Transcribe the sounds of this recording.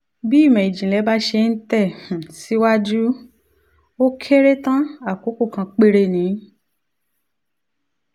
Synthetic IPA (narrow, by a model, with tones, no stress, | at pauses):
bi˦˨mɛ̃˨i˨d͡ʒĩ˨lɛ˨˦ba˦ʃe˧n̩˦tɛ˦˨h̩˨si˦wa˦d͡ʒu˦ | o˦kʰe˦ɾe˦tã˦a˦˨ko˨˦ko˦˨kã˧k͡pe˦ɾe˧nĩ˨˦